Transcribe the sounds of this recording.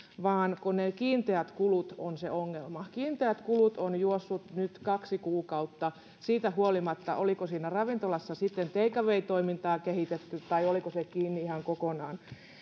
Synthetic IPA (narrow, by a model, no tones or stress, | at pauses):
ʋɑːnkonekiːnt̪eæt̪kulut̪onseoŋːelmɑkiːnt̪eæt̪kulut̪onjuosːut̪nyt̪kɑksikuːkɑut̪ːɑ | siːt̪æhuolimɑt̪ːɑ̰ʔolikosiːnærɑʋint̪olɑsːɑsit̪ːent̪eikɑʋeit̪oimint̪ɑːkehit̪et̪ːyt̪ɑiolikosekiːnːiihɑŋkokonɑːn